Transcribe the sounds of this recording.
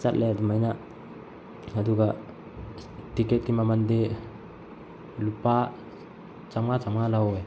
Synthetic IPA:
t͡ʃat̪̚lɛad̪umajna | ad̪uɡa | t̪ikɛt̪̚kimamand̪e | lupa | t͡ʃamat͡ʃamalawe

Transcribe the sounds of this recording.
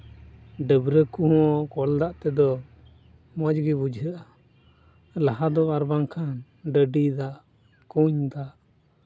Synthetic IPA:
ɖəbɾəkuɦɔkɔld̪aʔt̪ɛd̪ɔ | mɔd͡ʒɡibud͡ʒʱɦəʔa | laɦad̪ɔbaɾbaŋkʰan | ɖəɖid̪aʔ | kuɲd̪aʔ

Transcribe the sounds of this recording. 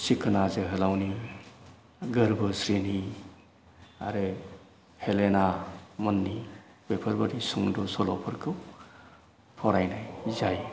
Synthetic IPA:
sikʰɯnazɯɦɯlawni | ɡəɾbɯsɾeni | a̰ɾe | helenamɔnːi | bepʰəɾbaɾisuŋdɔsɔlɔpʰɯɾkʰɯw | pʰɔɾajnajzaj

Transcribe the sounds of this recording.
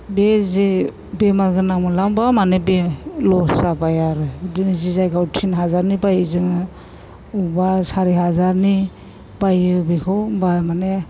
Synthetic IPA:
bezi | bemaɾɡɯnamɯlambamanebelɔsabajaɾɯdinizizajɡawtʰinɦazaɾnibajɯzɯŋɯ | ubasaɾiɦazaɾni | bajɯbekʰɯbamane

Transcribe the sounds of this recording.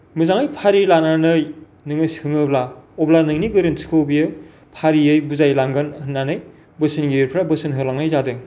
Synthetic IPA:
mɯzaŋɯjpʰaɾilananɯj | nɯŋɯshɯŋɯblaɔblanɯŋniɡɯɾɯnsʰi̥kʰɯwbijɯ | pʰaɾiɯjbuzajlaŋɡɯnɯnːanɯj | bɯsɯnɡiɾpʰɾabɯsɯnɦɯlaŋnajzadɯŋ

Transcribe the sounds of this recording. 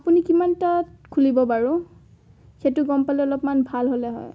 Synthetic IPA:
apunikimantatkʰulibɔbaɹʊ̃ | xetʊɡɔmpalɛɔlɔpmanbʱalɦolɛɦɔ̰j

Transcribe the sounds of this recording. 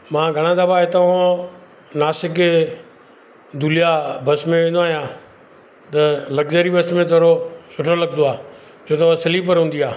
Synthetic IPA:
mãːɡʱəɽ̃ãːd̪əbaːɦɪt̪əõ | naːsɪk | d̪ʱuːlijaːbəsmẽẽːnd̪oaːɦjãː | t̪ələɡd͡ʒəɾiːbəsmẽt̪ʰoɾosʊʈʰoləɡ̚d̪oaː | t͡ʃʰoːt̪əsəlipəɾɦũːnd̪iːaː

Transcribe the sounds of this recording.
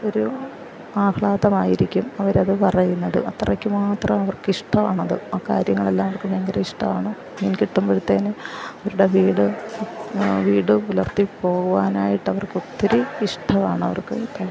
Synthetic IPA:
o̞ɾu | aːkɭaːðɐmaːjiɾikʲːumɐʋɐɾɐðɨpɐrɐjunːɐðɨ̰ʔɐt̪ːrɐkʲːɨmaːt̪rɐmɐʋɐrkɨiʂʈʰɐʋaːɳɐðɨaːkaːɾjɐŋːɐɭe̞lːaːmɐʋɐrkɨbʱɐŋɡɐɾɐiʂʈʰɐʋaːɳɨ | ɐðɐnikʲiʈːumboɭt̪ːeːneɐɐɾuɽeʋiːɽɨ | ʋiːɽɨulɐrt̪ipːo̞ːɣuʋaːnaːjiʈːɐʋɐrkot̪ːɐɾeiʂʈʰɐʋaːɳɨɐʋɐ̰rkɨt̪ːɐ

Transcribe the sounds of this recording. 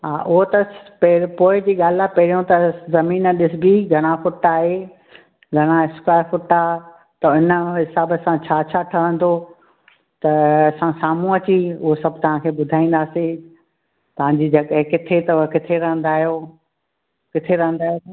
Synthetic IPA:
ɦaːʔʊɦot̪ɐppoːɪd͡ʑiːɠaːlɪapɐɦɪɾijõt̪ɐzɐmiːnəɗɪsɪbiɡʱɐɽ̃afʊʈːaːɦeː | ɡʱɐɽ̃aɪskɾaːɪfʊʈa | t̪ɐʊnəɦɪsaːbəsãt͡ɕʰaːt͡ɕʰaːʈʰɐʋə̃nd̪o | t̪ɐɐsãsaːmũɐt͡ɕiʊɦosɐbʱt̪ɐʋ̤ãkʰeːɓʊd̪ʱaːĩːn̆d̪aːsĩ | t̪ɐʋ̤ãɲd͡ʑiːd͡ʑɐɠɦẽkɪt̪ʰet̪ɐʊɦkɪt̪ʰeɾɐ̃ɦə̃n̆d̪aːɦijo | kɪt̪ʰeɾɐ̃ɦə̃nd̪aːɦjo

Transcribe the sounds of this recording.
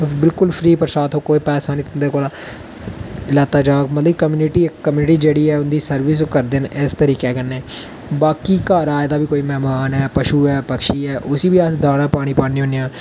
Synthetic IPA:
bɪlkʊlpʰɾiːpəɾsaːt̪ɦõːkoːipɛːsãːnĩːt̪ʊnd̪eːkoːlaː | ɪlaːt̪aːd͡ʒaːkmət̪ləb̚kəmjuːnɪʈiːkəmjuːnɪʈiːd͡ʒeːɽiːɛːʊnd̪iːsəɾʋɪs̬kəɾd̪ɪnɪst̪əɾiːkɛːkənːeː | baːkiːkaːɾaːed̪aːbiːkoːiːmɛːmaːnɛːpəʃuːɛːpəkʃiːɛːʔʊsiːbiːasd̪aːɽ̃ãːpaːɽ̃iːpaːñĩːɦõnijãː

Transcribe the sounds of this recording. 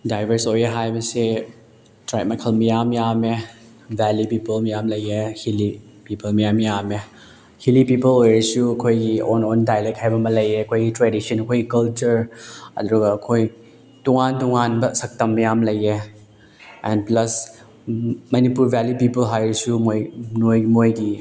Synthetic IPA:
dajbʱɐɾsojeɦajbɐse | tɾajt̚mɐjkʰɐlmijamjame | bɛlupipɐlmijamlɐjehili | pipɐlmijamjame | hilipipɐlojɾɐsuɐkʰojɡiɔnondajlek̚ʰajbɐmɐlɐjeɐkʰojɡitɾedisɐnɐkʰojɡikɐlt͡ʃɐɾɐ̰d̪ɾuɡɐːkʰoj | tuŋantuŋanbɐsɐk̚tɐmːijamlɐje | ɛnplɐs | mɐnipuɾbɛljipipɐlɦajɾɐsumojnojmojɡi

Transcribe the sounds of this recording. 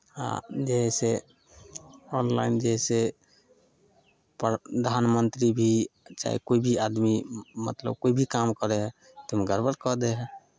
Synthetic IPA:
a̰d͡ʒeɦɛse | ɔnla̰ind͡ʒeɦɛse | pd̪ʱanmənt̪ɾibʱit͡ʃa̰ḭkoibʱiad̪mimə̰t̪lə̰b̚koibʱikamkəɾeɦɛ | t̪əmɡəɾbəɾkɔd̪ɛɦɛ

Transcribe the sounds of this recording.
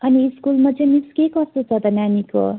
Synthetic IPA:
ʌniːskulmat͡sʌ̃jmiskekʌst̪ot͡sʰʌt̪ʌnaniko̰

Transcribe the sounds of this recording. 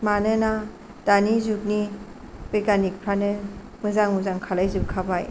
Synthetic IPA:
manɯna | d̥anizuk̚ni | bekanik̚pʰɾanɯ | mɯzaŋuzaŋkʰalajzukkʰabaj

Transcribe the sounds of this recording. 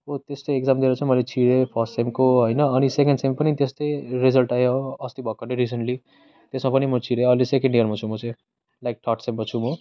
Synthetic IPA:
ot̪est̪ejekd͡zamd̪iɾat͡sʰʌmʌjlet͡sʰiɾepʰʌsʈsemkoɦojnʌːnisekeɳɖsempʌnit̪est̪ejɾizʌlʈajoʌst̪ibʱʌkːʌneɾis̬eɳʈli | t̪esmapʌnimʌt͡sʰiɾeʌlesekeɳɖijʌrmat͡sʰũmʌt͡sãj̃ | lajk̚ʈʰɔʈsembʌt͡sʰũmʌ

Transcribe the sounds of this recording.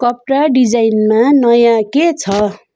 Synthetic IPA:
kʌp̚raɖid͡zajnmanʌjãket͡sʰʌ

